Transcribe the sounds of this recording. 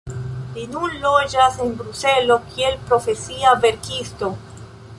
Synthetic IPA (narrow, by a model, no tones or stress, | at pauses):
linunlod͡ʒase̞nbɾuselo̞kʰielpɾo̞fe̞siave̞ɾkisto̞